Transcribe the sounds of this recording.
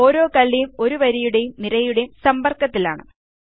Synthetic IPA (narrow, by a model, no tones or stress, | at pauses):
o̞ːɾo̞ːkɐɭːijumo̞ɾuʋɐɾijuɽe̞jumniɾɐjuɽejumsɐmbɐrkːɐt̪ːila̰ːɳɨ